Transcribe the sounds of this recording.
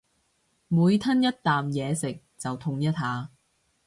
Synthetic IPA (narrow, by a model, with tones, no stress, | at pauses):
muː˨˧jt̪ʰɐ˥njɐ˥t̚t̪aː˨mjɛː˨˧sɪ˨k̚t͡sɐ˨wt̪ʰʊ˧ŋjɐ˥t̚ɦaː˨˧